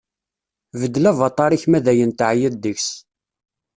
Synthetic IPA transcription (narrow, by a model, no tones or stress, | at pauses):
vəd̪ːlævɑt̪ˤːɑɾˤiçmæðæjənt̪ʕjəd̪ːəçs